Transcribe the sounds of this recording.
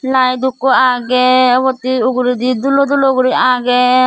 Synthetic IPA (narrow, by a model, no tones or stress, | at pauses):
lajd̪ukːɔaɡɛβɔt̪iuɡɾid̪id̪ulɔd̪uluɡɾiaɡɛ